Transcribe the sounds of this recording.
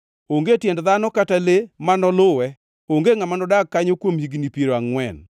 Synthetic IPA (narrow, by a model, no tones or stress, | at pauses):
oŋɡetjɛndðanɔkatalemanɔlʊwɛ | oŋɡeŋamanɔdakːaɲokwomhiɡnipiɾoaŋwɛ̰n